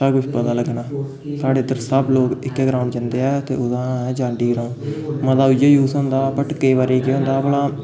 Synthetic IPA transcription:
səkʊʃpət̪ãːləɡnaː | saːɽeːd̪əɾsəbloːkɪkːɛːɡɾaːʊɳɖd͡ʒãːnd̪eːɛːt̪ḛːʊd̪ãːɛːd͡ʒãːɳɖiːɡɾaːʊɳɖməd̪aːʊd͡ʒaːjuːsɦõːnd̪aːpəʈkəiːʋaːɾeːkeːɦõːnd̪aːbəlaː

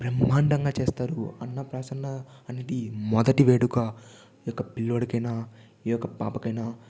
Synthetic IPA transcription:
pɾɐmaːɳɖɐŋɡaːt͡ʃeːst̪aːɾuɐnːɐpɾaːsɐnːɐɐne̞ːd̪imɔd̪ɐʈiʋeːɽuka | jɔkːɐpilːoɽɐkɐjnaː | ijɔkːɐpa̰ːpɐkɐjnaː

